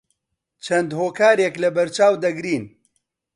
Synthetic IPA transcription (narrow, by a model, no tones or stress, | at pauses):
t͡ʃʰɐnd̪hoːkaːɾeklɐbɐɾt͡ʃaːwd̪ɐɡɾiːn